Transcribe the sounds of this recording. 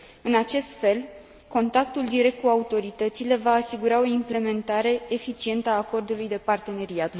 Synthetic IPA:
ɨnat͡ʃe̞st̪fe̞l | ko̞nt̪ak̚t̪uld̪iɾe̞k̚t̪̚kuaut̪o̞ɾit̪ət̪sile̞vaːsiɡuɾao̞imple̞me̞nt̪aɾe̞ːfit͡ʃie̞nt̪əaːko̞rd̪ulujd̪e̞part̪e̞ne̞ɾiat̪

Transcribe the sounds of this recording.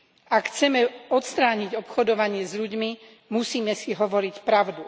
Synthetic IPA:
akxt͡sɛmɛɔt̪st̪ɾaːɲiɟɔpxɔd̪ɔʋaɲɪɛzʎuɟmi | musiːmɛsiɦɔʋɔɾicpɾaʊd̪u

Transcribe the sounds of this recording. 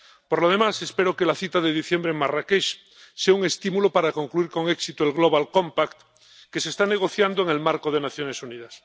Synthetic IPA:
poɾloð̞emase̞speɾokelaθit̪aðeðiθjembɾeŋmarakeʃ | seauŋe̞st̪imulopaɾakoŋkluiɾko̞ŋeksit̪oelɣloβ̞alkõmpakt̪ | kesest̪ane̞ɣ̞o̞θjand̪oeŋe̞lmaɾkoð̞enaθjo̞nesuniðas

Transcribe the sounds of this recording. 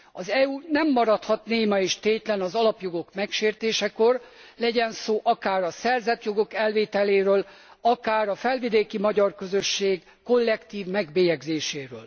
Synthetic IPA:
ɒzɛuːnɛmːɒɾɒt̪hɒt̪neːmɒeːʃt̪eːt̪lɛnɒzɒlɒpjo̞ɡo̞kmɛkʃeːrt̪eːʃɛko̞rlɛɟɛnsoːʔɒkaːɾɒsɛrzɛt̪jo̞ɡo̞kɛlveːt̪ɛleːɾøːl | ɒkaːɾɒfɛlvid̪eːkimɒɟɒrkøzøʃːeːɡːo̞lːɛkt̪iːvmɛɡbeːjɛɡzeːʃeːɾøːl

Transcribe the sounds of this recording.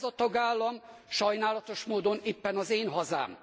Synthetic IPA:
zɒt̪ɒɡaːlːɒmʃɒjnaːlɒt̪o̞ʃmoːd̪o̞neːpːɛnɒzeːnɦɒza̰ːm

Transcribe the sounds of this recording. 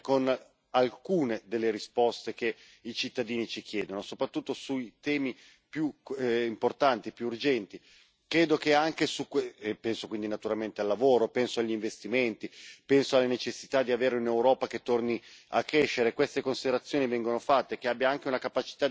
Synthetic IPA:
kon | alkuːned̪elːeɾispɔst̪ek̟e | it͡ʃit̪ːad̪iːnit͡ʃik̟jɛːd̪onosopɾat̪ːut̪ːosuit̪ɛːmi | pjuimport̪ant̪ipjuːrd͡ʒɛnt̪i | kɾeːd̪okeaŋkesukwepɛnsokwind̪inat̪uɾalment̪ealːavoːɾopɛnsoaʎːiɱvest̪iment̪ipɛnsoalːanet͡ʃesːi̥t̪ad̪iaveːɾeunewɾɔːpaket̪ːorniakːɾeʃːeɾekwest̪ekonsid̪eɾat̪sːjoːnivɛŋɡonofat̪ːek̟eabːjaaŋk̟eunakapat͡ʃi̥t̪a

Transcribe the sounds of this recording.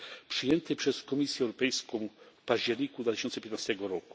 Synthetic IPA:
pʂɘjɛnt̪ɘpʂɛskɔmʲisʲjɛwɾɔpɛjskɔ̃w̃fpaʑd͡ʑɛɾɲikud̪vat̪ɪɕɔnt̪sɛpʲjɛt̪nast̪ɛɡɔɾɔku̥

